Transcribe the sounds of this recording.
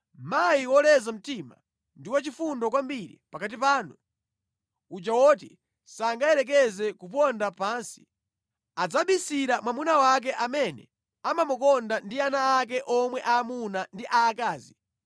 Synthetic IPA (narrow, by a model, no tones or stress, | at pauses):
majiwɔlɛzam̩tima | ndiwat͡ʃifundɔkwambiɾḭpakat̬ipaːnu | ut͡ʃawɔti | saŋɡaɛɾɛk̬ɛzɛkup̬ɔndapaːnsi̥ | ad͡zaɓisiɾamwamunawak̬ɛʔamɛnɛ̰ | amamukɔndandianaːk̬ɛʔɔmwɛʔaːmunandiʔaːkaːzi